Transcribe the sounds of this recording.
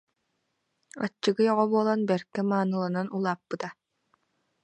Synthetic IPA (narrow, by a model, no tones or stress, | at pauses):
a̰t͡ɕːɯɡɯjɔʁɔbuɔlˠanbɛɾkːɛmaːnɯlˠananulˠaːpːɯt̪a